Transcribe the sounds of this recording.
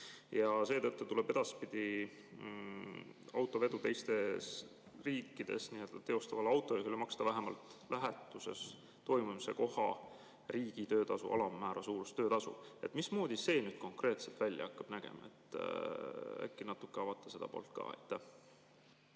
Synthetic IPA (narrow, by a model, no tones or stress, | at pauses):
jɑse̞ːt̪ɤt̪ːut̪ule̞b̥e̞d̪̥ɑspid̪̥ʲi | ɑwt̪ːˑo̞ve̞d̪̥ut̪e̞jst̪e̞s | riːkːˑid̪̥e̞̰snie̞ld̪ɑt̪e̞o̞st̪ɑvɑlɑwt̪ːˑo̞eɦylmɑkst̪ɑvæɦemɑ̰lt̪læɦet̪ːˑuse̞̰s | t̪o̞jmumsḛko̞hɑ̰ | riːɡ̥it̪øːt̪ɑsṵʔɑ̰lɑmæːɾɑsuːɾust̪øːt̪ɑsṵe̞t̪ːˑmismo̞ːd̪ise̞ːnyːd̪̥̚ko̞ŋkre̞ːt̪selt̪vælʲːjɑ̰ɑkːɑb̥næɡ̥e̞̰mɑ̰e̞̰t̪ːˑ | æ̰kːˑinɑt̪ːˑukːˑeɑvɑt̪ːˑɑ̥se̞d̪ɑpo̞̰ːlt̪̚kɑ̰ːḛjt̪ːæh